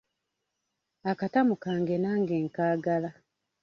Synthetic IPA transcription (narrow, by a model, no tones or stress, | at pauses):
akatamukaːŋɡenaːŋɡe̞ːŋkaːɡala